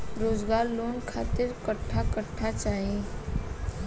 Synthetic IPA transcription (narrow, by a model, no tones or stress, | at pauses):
ɾod͡zɡaɾlonkʰat̪iɾkəʈʰːakəʈʰːat͡ʃaɦi